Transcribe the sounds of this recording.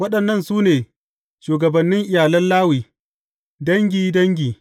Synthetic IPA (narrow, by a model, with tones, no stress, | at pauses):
wɐ˦ɗɐ˨nːɐ˦˨nsuː˦neː˨ | ʃuː˨ɡɐ˨bɐ˨nːɪ˦ŋʔɪ˨jaː˨lɐ˦nlaː˦wiː˨ | dɐ˦ŋɡʲiː˨dɐ˦ŋɡʲiː˨